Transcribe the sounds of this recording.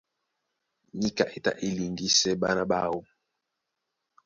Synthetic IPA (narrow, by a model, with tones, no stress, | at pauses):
ɲi˦ka̰˨ʔe˨ta̰˦˨ʔi˦li˨ŋɡi˦sɛ˦ɓa˦na˦ɓa˦wo˦